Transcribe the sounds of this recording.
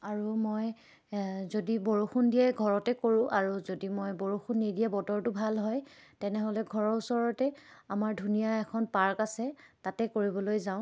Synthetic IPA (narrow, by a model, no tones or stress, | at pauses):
aɹumoj | zodiboɹuxundiɛɡʱɔɹɔtɛkoɹʊ̃ʔaɹuzodimojboɹuxunːidiɛbɔtɔɹtʊbʱalɦɔjtɛnɛɦolɛɡʱɔɹɔɹusɔɹɔtɛamaɹdʱunijaɛkʰɔnpaɹkasɛtatɛkoɹibɔlojzaʊ̃